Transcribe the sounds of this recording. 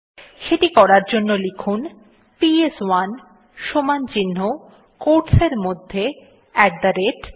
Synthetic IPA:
ʃeʈikɔɾaɾd͡ʑonːolikʰun | pieswan | ʃomant͡ɕinːo | koʈseɾmod̪ʱːe | ɛk̚d̪aɾeʈ

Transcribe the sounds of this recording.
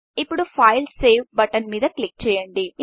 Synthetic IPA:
ipːuɽupʰɐːjlsseːʋbɐʈɐnmiːd̪ɐklik̚t͡ʃɛːjɐɳɖi

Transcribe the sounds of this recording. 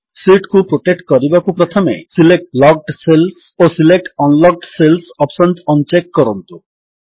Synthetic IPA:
siʈkupɾoʈek̚ʈkɔɾibakupɾɔt̪ʰomḛsilek̚ʈlɔɡ̚ɖselsosilek̚ʈɔnlɔɡ̚ɖselsɔpsɔntɔnt͡ɕekːɔɾont̪u

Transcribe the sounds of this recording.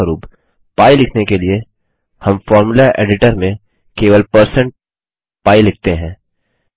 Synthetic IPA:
ɾuːp | paːilɪkʰnekelie | hɐmfɔːɾmulaʔḛːɖɪʈəɾmẽ | keːʋəlpəɾsə̃ɳʈ̚ | paːilɪk̚ʰt̪eɦɛ̃ː

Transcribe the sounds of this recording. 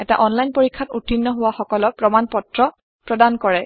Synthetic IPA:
ɛta̰ʔɔnlajnpoɹikʰːatutinːɔɦʊwaxɔkɔlɔpɹɔmanpɔtɹɔ | pɹɔdankɔɹɛ

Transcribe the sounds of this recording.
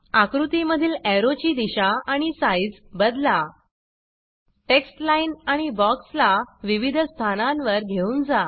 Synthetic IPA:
akɾut̪iməd̪ʱiːlɛɾot͡ɕiːd̪iɕaaɽ̃isajd͡zbəd̪la | ʈeksʈlainaɽ̃ibɔkslaʋiʋid̪ʱst̪ʰanãnʋəɾɡʱeuːnd͡za

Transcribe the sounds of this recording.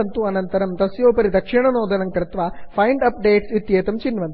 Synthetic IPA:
ɐnt̪uɐnɐnt̪ɐɾɐmd̪ɐsjoːpɐɾid̪ɐkʂiɳɐnoːd̪ɐnɐmkɾɪt̪ʋɐpʰɐjɳɖɐp̚ɖeːʈsit̪jeːt̪ɐmt͡ʃinʋɐnt̪

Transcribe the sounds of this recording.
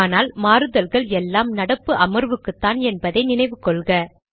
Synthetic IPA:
naːlmaːɾɯðɐlɣɐɭɛlːaːmnɐɽɐpːɯʔɐmɐɾʋɯkːɯt̪ːaːnɛnbɐðɐɪnɪnɐɪʋɯkːɔɭɣɐ

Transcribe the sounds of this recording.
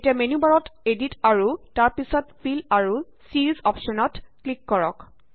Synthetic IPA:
tiamenubaɹɔteditaɹutaɹpisɔtpʰilaɹu | siɹizɔpʃɔnɔtklikːɔɹɔ̰k

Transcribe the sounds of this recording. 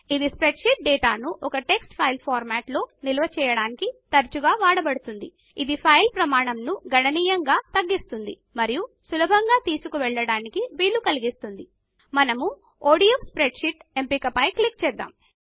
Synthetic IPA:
id̪ispɾe̞ɖʃiʈ̚ɖɛːʈaːnuʔɔkɐʈe̞ksʈpʰɐjlpʰaːɾmaːʈlo̞ːnilɐʋɐt͡ʃɛːjɐɽaːnikit̪ɐɾt͡ʃuɡaːʋaːɽɐbɐɽut̪und̪i | id̪ipʰɐjlpɾɐmaːɳɐmnuɡʱɐɳɐniːjɐŋɡaːt̪ɐɡːist̪und̪ḭ | mɐɾijusulɐbʱɐŋɡaːt̪iːsukuʋɛɭːɐɽaːnikiʋiːlːukɐliɡist̪und̪i | mɐnɐmu | oːɽijospɾeɖʃiʈe̞mpikɐpɐjklik̚t͡ʃɛːd̪ːa̰ːm

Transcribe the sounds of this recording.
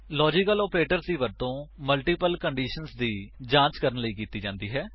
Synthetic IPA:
lɔːd͡ʒɪkəloːpɾeːʈəɾsd̪iːʋəɾt̪õːməlʈiːpəlkəɳɖiːʃənsd̪iːd͡ʒãːt͡ʃkəɾənləiːkiːt̪iːd͡ʒãːnd̪iːɦɛː

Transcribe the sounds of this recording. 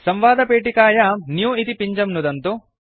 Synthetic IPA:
sɐmʋaːd̪ɐpeːʈ̬ikaːjɐnjuːit̪ipiɲd͡ʒɐmnud̪ɐnt̪u

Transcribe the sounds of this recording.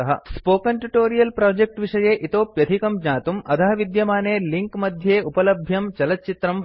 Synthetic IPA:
ɐɦɐ̰spoːkɐnʈuʈoːɾijɐlpɾaːd͡ʒek̚ʈʋiʂɐjeːʔit̪oːpjɐt̪ʰikɐmd͡ʒɲaːt̪umʔɐt̪ʰɐɦɐʋid̪jɐmaːneːliŋkmɐd̪ʱjeːupɐlɐbʱjɐmt͡ʃɐlɐtt͡ʃit̪ɾɐm

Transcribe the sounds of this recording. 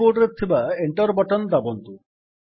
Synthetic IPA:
oʈɾet̪ʰibaeɳʈɔɾbɔʈɔnd̪abɔnt̪u

